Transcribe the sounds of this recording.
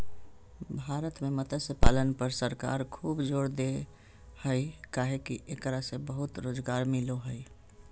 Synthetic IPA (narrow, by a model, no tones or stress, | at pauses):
bʱaːɾət̪memət̪əsepalənpəɾsəɾka̰ːɾkʰuːbd͡ʒoːɽd̪e | həikaɦekiʔekɾasebəɦʊt̪ɾoːd͡ʒɡaɾmɪloɦəi